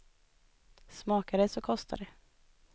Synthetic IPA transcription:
smɑːkaɖɛsɔkʰɔst̪ʰa̰dɛ

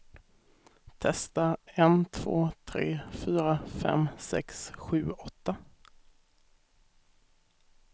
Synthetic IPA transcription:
t̪ʰɛst̪aɛnt̪ʰv̥o̰ːt̪ʰɾeːfyːɾafɛ̰msɛ̰ksɧʉ̟ːɔt̪ːa

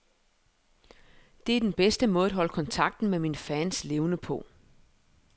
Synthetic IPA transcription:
d̥e̝æɐd̥enb̥esd̥əmɔ̽ːð̩ˠædɦɒ̽ləkʰɒ̽nt͡sʰɑ̈ɡ̥̚d̥n̩meminfɛnsle̝ʊnəpʰɔ̽

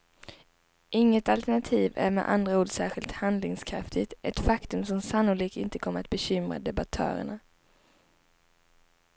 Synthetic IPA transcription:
ʔɪŋːət̪alt̪æɳat̪ʰiːvæ̰ɾmɛ̰ʔa̰nd̪ɾauːd̪sæːɾɧɪlt̪hand̪lɪŋskʰɾa̰ft̪ɪt̪ɛt̪fakt̪ɵmsɔmsanːʊliːk̪ɪnt̪əkʰɔmːəɾat̪̚bɛɕʏmɾa̰d̪ɛbat̪ʰœ̰ːɾə̰ɳa

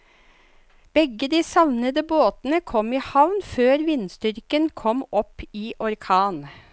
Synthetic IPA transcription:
b̥ɛɡəd̪iːsɑʋnəd̪əboːt̪nəkʰɔmiːhɑʋnføːɾʋɪnst̪ʏɾkənkʰɔmɔpiːʔɔɾkʰɑːn

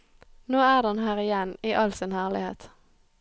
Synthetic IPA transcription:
noːæːʁd̪ɑnhæːʁɪjɛniːʔɑlsɪnhæːʁlɪhḛːt̪

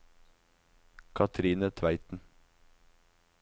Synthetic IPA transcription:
kʰɑt̪ʰɾiːnət̪ʰʋæɪt̪n̩

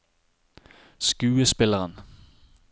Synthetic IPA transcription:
sɡ̥ʉːəsb̥elɐʁən

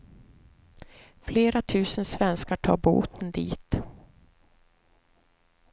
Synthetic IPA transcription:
fleːɾat̪ʰʉ̟ːsənsvɛnskaʈʰɑ̰ːɾbṵːt̪ʰənd̪ḭːt̪

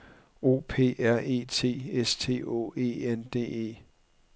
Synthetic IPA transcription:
o̝̰ːpʰe̝̰ːæɐ̰e̝̰ːt͡sʰe̝̰ːest͡sʰe̝̰ːo̝̰ːe̝̰ːend̥e̝̰ːe̝̰ː

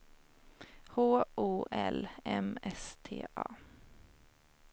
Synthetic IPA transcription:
hoːʔoːʔɛlɛmɛst̪ʰḛːʔɑ̰ː

